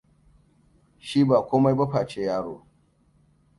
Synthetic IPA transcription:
ʃi˦baː˨kʷoː˦ma˦jba˦ɸaː˨t͡ʃe˦jaː˦ɽo̰ː˨

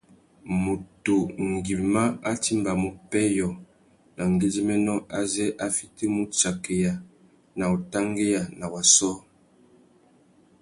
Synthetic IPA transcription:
mo˨to˨ŋɡi˨ma˦a˦ti˦mba˨mu˨pɛ˦jɔ˨ | na˨ŋ˨ɡe˦zi˦mɛ˦nɔ˦a˦zɛ˦ʔa˦fi˦te˦mu˦t͡ʃa˨ke˨ja˨ | na˨o˨ta˦ŋɡe˦ja˨na˨wa˨sɔ˦

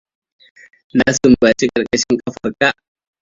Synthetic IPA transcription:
na˦su˨m˨ba˨t͡ʃi˦kʼɐ˨ɾkʼa˦ʃi˦ŋkʼa˦fa˨ɾka˦

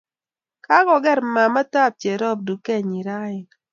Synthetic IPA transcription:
ka˦ɡɔ˨ɡɛ˦˨ɾma˨ma˦ta˦˨p̚t͡ʃe˨ɾɔ˦˨p̚du˨kɛ˦˨ɲi˨ɾa˦ɪ˨

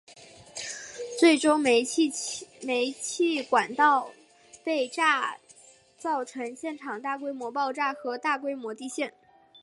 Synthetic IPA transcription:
t͡swe˥˩ɪʈ͡ʂo˥ŋ˥˧ | me˧˥ɪt͡ɕʰi˥˩kwa˨˩nt̪ɑ˥˧ʊ | pe˥˧ɪʈ͡ʂa˥˧ | t͡sɑ˥˩ʊʈ͡ʂʰɤ˧˥ŋɕjɛ˥˩nʈ͡ʂʰɑ˨˩ŋt̪a˥˩k̬we˥ɪmwɔ˧˥pɑ˥˧ʊʈ͡ʂa˥˩xɤ˧˥t̪a˥˩kwe˥ɪmwɔ˧˥t̪i˥˧ɕjɛ˥˩n

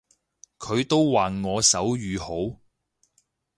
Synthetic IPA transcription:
kʰɵ˨˧ɥt̪o˥wwaː˨nŋɔː˨˧sɐ˨˥wjyː˨ho˨˥w

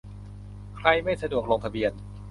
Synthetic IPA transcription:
kʰɾa˧jma˥˩jsa˧du˨˩ək̚lo˧ŋt̪ʰa˧bi˧ən

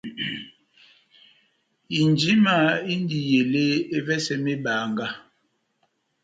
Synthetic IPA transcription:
i˨nd͡ʒi˦ma˦˨i˦n˦di˨je˨le˦e˦vɛ˦sɛ˦me˦ba˨ŋɡa˦

